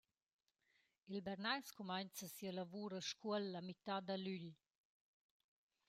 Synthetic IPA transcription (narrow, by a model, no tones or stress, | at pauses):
ilbɛɾnajskumajnt͡sasiəlavuːɾəʃkuəlːamit̪ad̪alyʎ